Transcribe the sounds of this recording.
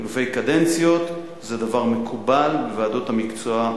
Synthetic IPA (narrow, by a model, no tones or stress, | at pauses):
lufe̞jkadent͡sijo̞t | zedavaʁme̞kʰubalbevaːdo̞thamikt͡soa